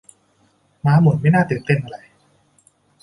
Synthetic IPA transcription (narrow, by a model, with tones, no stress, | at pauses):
maː˧˥mu˩˦nma˥˩jnaː˥˩t̪ɯː˨˩nt̪e˥˩nʔa˧ɾa˧˩j